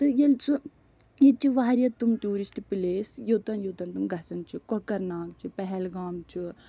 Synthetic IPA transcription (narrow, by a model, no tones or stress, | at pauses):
t̪ɨjelt͡su | jet͡ʃiʋaːɾʲjɐt̪umt̪uːɾisʈipileːsjot̪ɐnjoːt̪ɐnt̪umɡɐsɐnt͡ʃʰikokɐɾnaːk̚t͡ʃʰipɛɦɛlɡaːmt͡ʃʰi